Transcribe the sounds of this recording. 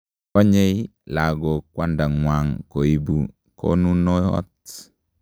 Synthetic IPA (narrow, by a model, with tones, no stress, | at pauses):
ɔ˦ɲe˦jla˨ɡɔ˨kwa˦nda˨ŋwaŋko˨i˨bṵ | kʰo̰˦nu˦nɔ˦ɔ̰˦t